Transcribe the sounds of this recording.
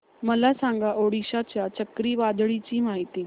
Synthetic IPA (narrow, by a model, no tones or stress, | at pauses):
məlasãŋɡʱaʔoːɽiʃat͡ɕjat͡ɕəkɾiːʋaːd̪ɭit͡ɕiːmaːɦit̪iː